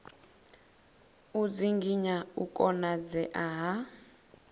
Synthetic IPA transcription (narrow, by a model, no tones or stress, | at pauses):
ud͡ziŋɡiɲaukʼɔnad͡zɛʔaɦa